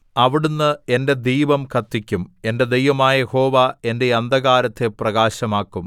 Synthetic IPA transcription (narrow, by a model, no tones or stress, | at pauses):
ɐʋiɽunːɨe̞nde̞d̪iːʋɐmkʰɐt̪ːikʲːume̞nde̞d̪ejʋɐmaːjjeho̞ːʋae̞nde̞jɐnd̪ɐɣaːɾɐt̪ːe̞prɐɣaːɕɐmaːkːum